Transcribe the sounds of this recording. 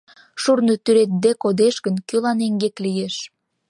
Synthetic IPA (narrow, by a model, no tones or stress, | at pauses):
ʃurnət̪yɾet̪̚d̪ekod̪eʃɣənkølɑneŋɡeklijeʃ